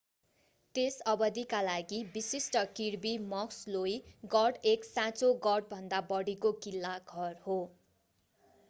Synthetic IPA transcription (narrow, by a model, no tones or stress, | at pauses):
t̪esʌbʌd̪ikalaɡibisisʈʌkirbimʌkslojɡʌɖeksãt͡soɡʌɽbʱʌnd̪abʌɽikokilːaɡʱʌrho